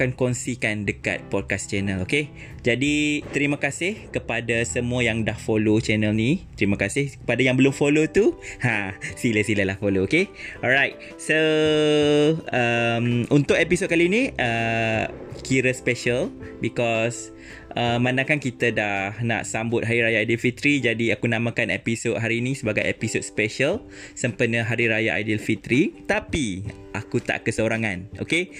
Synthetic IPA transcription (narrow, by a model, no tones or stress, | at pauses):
kankonsikandəka̰t̪̚pɔd̚kast͡ʃɛnəloke | d͡ʒadit̪əɾiməkasɪhkəpadasəmũəjaŋdahfolot͡ʃɛnəlnit̪əɾimə̃kasɪhkəpadajaŋbəlʊmfolot̪uhãsiləsiləlahfolookeɔlɾajt̪̚ | so | əmunt̪ʊʔepisot̚kaliniə | kiɾəspɛʃəlbikɔs | ʔəmãnãkankit̪ədahna̰ʔsambʊt̪̚ɦaɾiɾajaːjdilfit̪ɾid͡ʒadiakunamãkanɛ̰pisot̚ɦaɾinisəbaɡajɛ̰pisot̪̚spɛʃəl | səmpənəɦaɾiɾajaʔa̰jdilfit̪ɾit̪api | ʔakut̪a̰ʔkəsəoɾaŋano̰ke